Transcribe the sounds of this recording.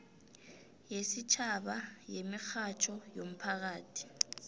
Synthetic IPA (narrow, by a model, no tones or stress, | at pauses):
jesit͡ʃʰaɓajemixat͡ʃʰɔjom̩pʰak̬aːtʰi̥